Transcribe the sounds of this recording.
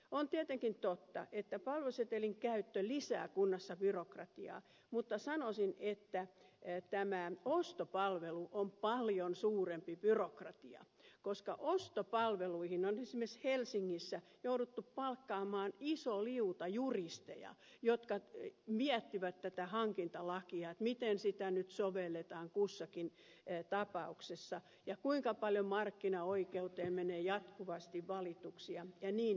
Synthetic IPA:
ont̪iæt̪eŋkint̪ot̪ːɑ̰ʔet̪ːæpɑlʋeset̪eliŋkæyt̪ːølisæ̰ːkunːɑsːɑb̥yrokrɑ̰t̪iɑ̰ː | mut̪ːɑsɑnosinet̪ːæt̪æmæost̪opɑlʋeluʔompɑljonsuːrempib̥yrokrɑt̪iɑ̰ | koskɑʔost̪opɑlʋeluihinonesimːeshelsiŋːisːæjoudut̪ːuppɑlkːɑːmɑːnisoliut̪ɑjurist̪ḛjɑ̰ | jot̪kɑmiæt̪ːiʋæt̪tæt̪æhɑŋkint̪ɑlɑkiɑet̪mit̪ensit̪ænyt̪soʋelːet̪ɑːŋkusːɑkin | t̪ɑpɑuksesːɑ | jɑkuiŋkɑpɑljomɑrkːinɑoikeut̪eːmeneːjɑt̪kuʋɑst̪iʋʋɑlit̪uksiɑjɑniːn

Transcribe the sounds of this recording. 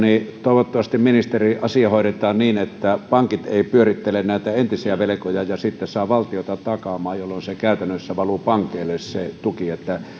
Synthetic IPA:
nit̪oˑeʋot̪ːɑʋɑst̪imminist̪eriʔɑsiɑhoˑeɾet̪ˑɑːnniːnet̪ːæpɑŋkit̪eˑipyørit̪ːelennæˑit̪æent̪isiæʋelekojɑjɑsit̪ːesɑːʋɑlt̪iot̪ɑt̪ɑkɑmɑːjjolːonsekæˑyt̪ænːøsːæʋɑlupɑŋkˑeːlːesset̪ukiet̪ːæ

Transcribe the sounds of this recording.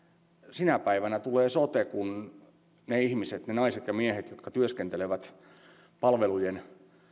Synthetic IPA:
sinæpæiʋænæt̪uleːsot̪ekun | neihmiset̪nenɑiset̪jɑmiehet̪jot̪kɑt̪yøskent̪eleʋæt̪ | pɑlʋelujen

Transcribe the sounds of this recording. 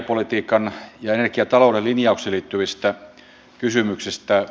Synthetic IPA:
polit̪iːkɑnjɑenerkiɑt̪ɑloˑudelinjɑukseliːt̪ːyʋist̪æ | kysymyksist̪æ

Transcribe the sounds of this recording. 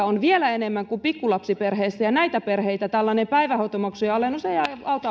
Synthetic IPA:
onʋielæenemːæŋkumpikːulɑpsiperheisːæjɑnæit̪æperheit̪æt̪ælːɑnempæiʋæhot̪omɑksujɑolenuseijɑɑut̪ɑ

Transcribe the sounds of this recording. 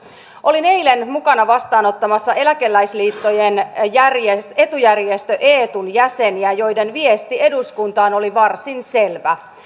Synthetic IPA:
ʔo̞line̞jle̞nmukɑnɑʋɑst̪ɑːno̞t̪ːɑmɑsːɑe̞læke̞lːæjsliːt̪ːo̞jenjærjee̞t̪ujærjest̪øʔeːt̪unjæseniæjo̞jde̞nʋiest̪ie̞duskunt̪ɑːno̞liʋɑrsinse̞lʋæ

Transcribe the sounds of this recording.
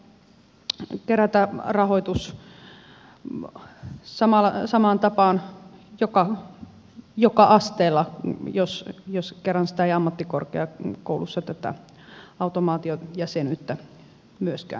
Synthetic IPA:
keɾæt̪ærɑhoit̪us | sɑmɑlːɑsɑmɑːnt̪ɑpɑːnjokɑ | jokɑʔɑst̪eːlːɑjosjoskerːɑnsi̥t̪æeiɑmːɑt̪ːiko̰rkḛɑkoulusːɑt̪æt̪ːæ̰ | ɑut̪omɑːt̪iojɑsenyt̪ːæ | myøskæ̰ːˑn

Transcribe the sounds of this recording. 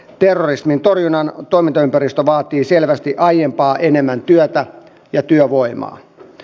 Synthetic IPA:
t̪erːorismint̪o̞rjunɑnt̪o̞ijmint̪ɑympærist̪øʋɑːt̪iːselʋæst̪iʔɑjempɑːʔenemːænt̪yøt̪æ | jɑt̪yøʋo̞imɑ̰ː

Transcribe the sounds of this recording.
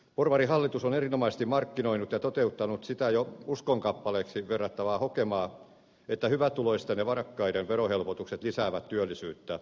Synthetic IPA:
porʋɑrihɑlːit̪usonerinomɑsest̪imɑrkːinoinut̪jɑt̪ot̪eut̪ːɑnut̪sit̪æjouskoŋkɑpːɑleːksiʋerːɑt̪ːɑʋɑːhokemɑː | et̪ːæhyʋæt̪uloist̪ɑneʋɑrɑkːɑiɾeʋʋeɾohelpot̪ukset̪lisæːʋæt̪t̪yølːisyːt̪ːæ

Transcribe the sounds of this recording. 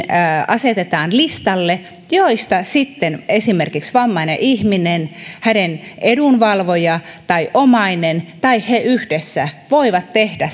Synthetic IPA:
ɑset̪et̪ɑːnlist̪ɑlːe | joist̪ɑsit̪ːenesimerkiksʋɑmːɑinḛʔihminenhænenʔedunʋɑlʋojɑt̪ɑiʔomɑinent̪ɑiheʔyhdesːæʋoiʋɑt̪tehd̥æ

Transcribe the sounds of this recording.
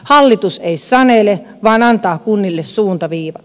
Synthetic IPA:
hɑlːit̪useisɑnele | ʋɑːnɑnt̪ɑːkunːilːessuːnt̪ɑʋiːʋɑ

